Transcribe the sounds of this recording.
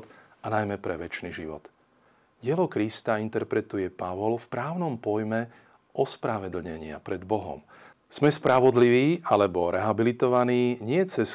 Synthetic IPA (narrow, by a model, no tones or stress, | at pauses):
t̪ | anajmɛpɾɛʋɛt͡ʃniʒiʋɔ̰t̪ | ɟɪɛlɔkɾist̪aint̪ɛɾpɾɛt̪ujɛpaʋɔlfpɾaːʊnɔmpɔjmɛ | ʔɔspɾaʋɛd̪l̩ɲɛɲɪa̰pɾɛd̪bɔɦɔ̰m | z̥mɛspɾaʋɔd̪liʋiːʔalɛbɔɾɛɦabilit̪ɔʋaniːɲɪɛt͡sɛs